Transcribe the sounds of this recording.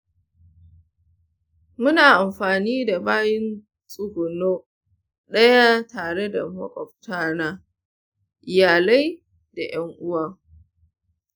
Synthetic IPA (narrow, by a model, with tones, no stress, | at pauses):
mʊ˦naː˨ʔa˨mɸaː˨niː˦da˨baː˦jɪ˦n | sʼʊ˦ɡʷʊ˨noː˦ | ɗɐ˦ja˦taː˨ɽe˦da̰˨mɐ̰˦kʼɔ˨ɸtaː˦naː˦ | ʔɪ˨jaː˨la˦j | da˨jɐ˦ŋʔʊ˦waː˨